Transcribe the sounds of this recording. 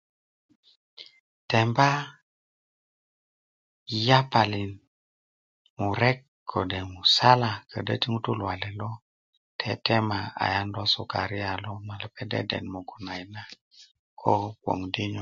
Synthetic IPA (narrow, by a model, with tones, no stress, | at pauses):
te˨mba˦ | ja˦pa˨li˨n | mu˨ɾe˦kːʰ | o˨de˨mu˨sa˦la˨kʰə˨də̰˦ti˦ŋu˦tu˦lwa˨le˨lo˦ | tʰḛ˦te˦ma˨a̰˨ja˦ndo˦su˨ka˨ɾi˦a˨lo˦ma˨lə˨pe˦dḛ˦dḛ˨nmu˨ɡu˨na˨jna˦ | kʰo˦wo̰˨ŋdi˦ɲo˨